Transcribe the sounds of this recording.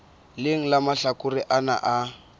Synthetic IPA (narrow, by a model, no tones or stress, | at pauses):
lɪŋ̩lamaɬakʊriʔana̰ʔa